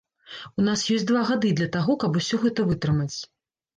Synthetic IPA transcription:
un̪asjɔsʲd̪vaɣad̪ɨd̪lʲɐt̪aɣɔkɐbusʲɔɣɛt̪ɐvɨt̪ɾɨmɐt͡sʲ

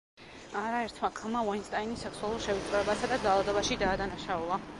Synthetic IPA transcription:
aɾaɛɾt̪ʰmakʰamavɔnst̪ʼainisɛkʰsualˠuɾʃɛvit̪sʼɾɛbasad̪ad̪zalˠad̪ɔbaʃid̪aːd̪anaʃaulˠa

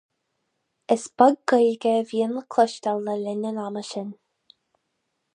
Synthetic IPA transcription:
əsb̥aɡ̚ɡəjɡəviənləkʰləʃtəlːəlɪnənaməʃən

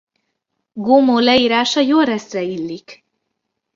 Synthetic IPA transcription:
ɡomoːlɛiːɾaːʃɒjoːlrɛst̪rɛilːik

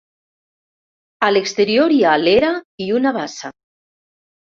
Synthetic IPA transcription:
alekst̪eɾjoɾialeɾaiunaβasa

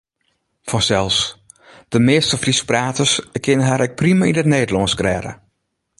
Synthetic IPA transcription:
fɔnsɛlˠfs | d̥əmɪːstəfrispraːtəskʰɪnəɦaɾʔɛk̚primainətneːdəlɔnsɡrɛːɾə̰

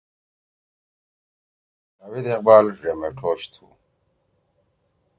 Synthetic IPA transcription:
ɐwid̪eqbaːlʐemeʈʰoːɕt̪ʰṵ

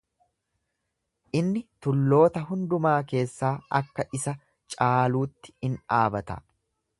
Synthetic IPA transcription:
ʔɪnːɪt̪ʊlːo̞ːt̪ɐɦʊnd̪ʊmaːke̞ːsːaːʔɐ̰kːɐʔɪsɐ | t͡ʃʼaːluːt̪ːɪ̥ɪnaːbɐt̪ɐ̰

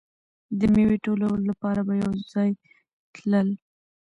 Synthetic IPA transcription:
d̪əmeweʈolawəlolapɑɾabajawzɑj | t̪ləl

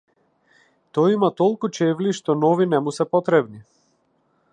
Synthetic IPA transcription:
t̪ɔjimat̪ɔlˠkut͡ʃɛvliʃt̪ɔnɔvinɛmusɛpɔt̪ɾɛbni

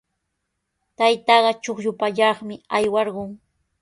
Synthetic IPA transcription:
t̪ajt̪ɑɢɑt͡ʃoχʎʊpaʎɑχmɪajwɑɾɢʊŋ

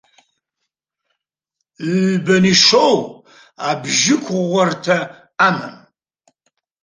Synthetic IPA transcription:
bɐniʂow | abʒɪkʷʰʁʷɔrtʰɐ | amɐ̰m

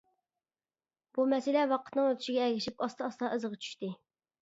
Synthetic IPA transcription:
b̥umɛsɪlɛwɑqə̥t̪nɨŋøt̪ʰɪ̥ʃɪɡʲɛːɡʲɪʃipɑst̪ɑɑst̪ɑʔəzəʁɑt͡ʃʰy̥ʃt̪ɪ

